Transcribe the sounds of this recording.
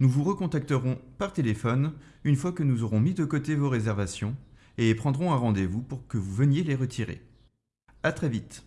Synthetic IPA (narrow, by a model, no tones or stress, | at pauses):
nuvuʁəkɔ̃t̪ak̚t̪əʁɔ̃paʁt̪elefɔn | ynfwakənuzɔʁɔ̃mid̪əkot̪evoʁezɛʁvasjɔ̃ | epχɑ̃d̪ʁɔ̃ɛ̃ʁɑ̃d̪evupuʁkəvuvənjeleʁət̪ʰiʁḛ | at̪χɛvit̪